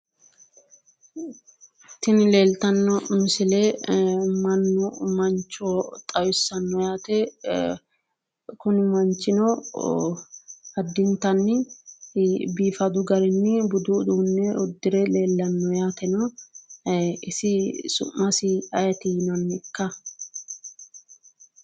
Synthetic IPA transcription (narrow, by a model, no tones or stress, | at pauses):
t̪ɪnɪle̞ːlt̪ɐnːɔmɪsɪlɛ | mɐnːʊmɐnt͡ʃːot̪ʼɐjʊsːɐnːɔjaːt̪ɛ | kʊnmɐnt͡ʃːɪnɔ | hɐd̪ːɪnt̪ɐnːɪ | biːfɐd̪ʊɡɐɾɛnːɪbʊd̪ud̪uːnːɛʊd̪ːɪɾɛle̞ːlːɐnːɔjaːt̪ɛnɔ | ɪsɪsʊ̰mːɐsiɐjɐt̪inɐnːɪkːɐ